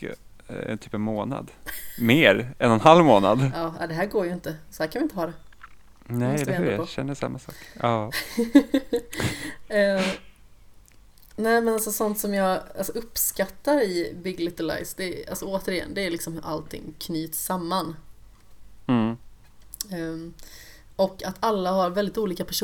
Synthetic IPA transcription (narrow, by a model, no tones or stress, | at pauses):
ɛ̰nt̪ʰyːpɛnmoːna̰d̪meːɾɛnɛnhalvmoːna̰d̪ɑːa̰d̪ɛɦæːɾɡoːɾjɵɪnt̪əsɔhæːɾʰkanvɪnt̪əhɑːd̪ɛ | nɛɛoɕɛ̰nːəʂa̰mːasɔ̰ːkɑː | nɛːmɛnalsɔsɔnt̪sɔmjɑːɡalsɔʔɵpːskat̪ːaɾɪbɪɡlɪt̪ɪla̰ɪsd̪ɛa̰lsɔoːt̪əɾɪjɛ̰nːd̪ɛːɾjlɪksɔmhɵɾʔa̰lt̪ʰɪ̰ŋːkʰnyːt̪samːan | ɔkːat̪ʰalːaɦaɾvɛld̪ɪt̪uːliːkapʰæʂ